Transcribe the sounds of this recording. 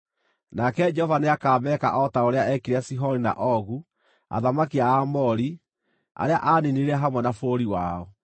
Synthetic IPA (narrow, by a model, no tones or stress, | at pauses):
nakɛd͡ʒɛhɔvaneakaːmɛːka̰ʔɔtaoɾeaɛkiɾeasiɦɔɾina̰ʔɔɣu | a̰ðamakiaːmɔɾi | a̰ɾeaʔaːneneɾɛɦamwɛnafoːɾiwa̰ːɔ